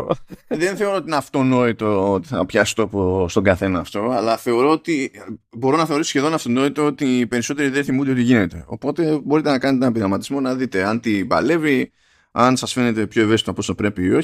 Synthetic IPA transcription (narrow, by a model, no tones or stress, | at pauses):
ðenθe̞o̞ɾot̪inɐft̪o̞no̞it̪oot̪i̥θɐ̰pçɐsi̥t̪opost̪o̞ɡɐθe̞nɐːft̪o̞ɐlɐθe̞o̞ɾo̞ot̪ibo̞ɾo̞nɐθe̞o̞ɾisosçeðo̞nɐft̪o̞no̞it̪oot̪iːpe̞ɾiso̞t̪e̞ɾiðeθimud̪eio̞t̪iʝine̞t̪e̞̰o̞̰po̞t̪e̞bo̞ɾit̪e̞nɐkɐnet̪enebiɾɐmɐt̪izmonɐðit̪e̞ɐnt̪ibɐ̰le̞vi | ɐnsɐsfe̞ne̞t̪e̞pço̞e̞vesi̥t̪oɐpost̪opɾe̞piːo̞ç